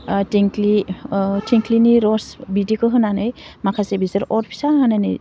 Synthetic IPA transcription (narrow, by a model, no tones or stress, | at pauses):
tiŋklitʰiŋkliniɾɔsbidikɯɦɯnanajmakʰasebizaɾɔɾpʰi̥saɦananaj